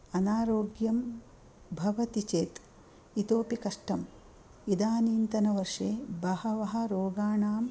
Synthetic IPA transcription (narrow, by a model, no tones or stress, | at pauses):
ɐnaːɾoːɡjɐm | bʱɐʋɐt̪it͡ʃeːt̪ | it̪oːpikɐʂʈɐm | id̪aːniːnt̪ɐnɐʋɐɾʂeːbɐhɐʋɐɦɐ̆ɾoːɡaːɳaːm